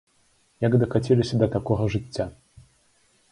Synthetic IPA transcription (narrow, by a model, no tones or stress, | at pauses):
jaɡd̪ɐxat͡sʲɛlʲisʲɐd̪ɐt̪akɔɣɐʐɨt͡sʲːa